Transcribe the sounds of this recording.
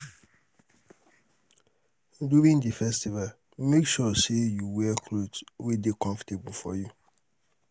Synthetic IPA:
duɾĩndifɛstival | mekʃɔsejuwɛkʰlodswedekɔ̃ɱfḁtebufɔ̰ju

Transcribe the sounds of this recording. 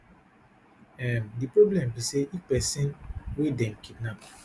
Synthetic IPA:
ɛmdipɹoblɛ̃miseʔipɛsĩnwedɛ̃nkid̚nap̚

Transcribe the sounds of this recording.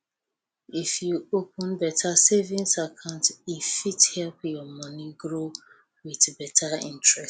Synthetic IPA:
ifjuopɔ̃nbɛtʰasevĩŋsakʰãʊ̃ntifithɛlpjɔmʌniɡɹo | wiðbɛtʰaḭ̃ntɹɛs

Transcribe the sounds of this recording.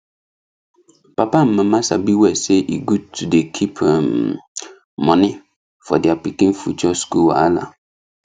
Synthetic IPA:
papam̩mãmãsa̰biwɛsɛʔiɡud̚tʰudekʰipʰm | mɔ̃nɪ̃ | fɔ̰dɪapikĩnfut͡ʃʰᶣɔskuwa̰la̰

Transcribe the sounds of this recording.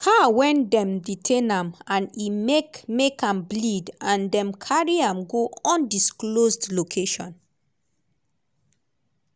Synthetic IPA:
hawɛ̃ndɛ̃mditʰẽnãmãnimekãmblidãndɛ̃mkʰaɹiãmɡoɔ̃ndisklosdlokʰeʃɔ̰̃n

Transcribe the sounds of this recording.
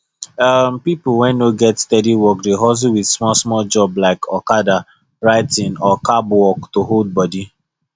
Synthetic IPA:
ʌmpipulwɛ̃nnoɡɛtstɛdiwɔkdeɦɔs̬iwidsmɔsmɔld͡ʒɔblaɪkʰɔkada | ɹaɪtĩnɔkabwɔktoɦold̚bɔdi

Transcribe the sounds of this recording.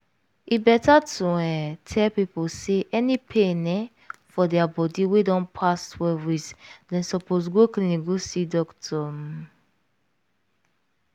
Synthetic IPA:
ibɛtatuɛ̃tʰɛlpiposeʔɛnipʰenɛ̃ | fɔdɛabɔdiwedɔ̃npʰastʰwɛvwisdɛ̃nsɔposɡokliniɡosidɔktʰɔm

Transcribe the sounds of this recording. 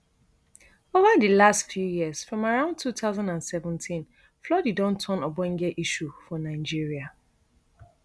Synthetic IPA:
ovadəlastfjujiəz̥fɹɔ̃maɹãʊ̃nd̚tʰuθaʊzãndãnsɛvə̃ntʰĩn | flɔdidɔ̃ntʰɔ̃nɔbɔ̃ŋɡɛʔiʃufɔnaɪd͡ʒiɹia

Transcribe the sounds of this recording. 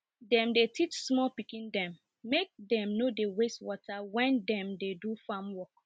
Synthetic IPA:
dɛ̃mdetit͡ʃsmɔlpikĩndɛ̃mː | ek̚dɛ̃mnodewestwɔtʰawɛ̃ndɛ̃mdedufãmwɔk̚

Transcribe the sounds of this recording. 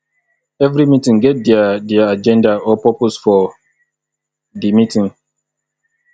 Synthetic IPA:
ɛvɾimitĩŋɡɛt̚dɛadɛaad͡ʒɛ̃ndaɔpɔposfɔ | dimitĩŋ

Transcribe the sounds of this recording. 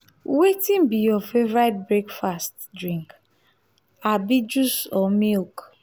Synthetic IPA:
wetĩmbijɔfeɹajt̚bɹekfast | dɹĩŋk | abid͡ʒusɔmilk

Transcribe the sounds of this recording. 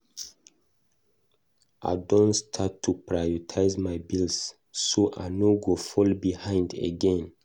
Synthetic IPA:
ʔa̰ɪdõnstʰatʰːupɹajɔtʰaɪzmajbils | soʔa̰noɡofɔlbihãɪ̃ndḛɡɛ̃n

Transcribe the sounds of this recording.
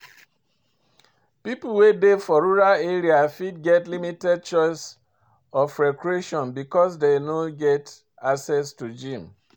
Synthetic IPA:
pipul̩wedefɔɹuɹaleɾiafid̚ɡɛtlimitɛd̚t͡ʃɔɪs | ɔfɹɛkɹieʃɔ̃nbikɔs̬denoɡɛt | aksɛstud͡ʒĩm

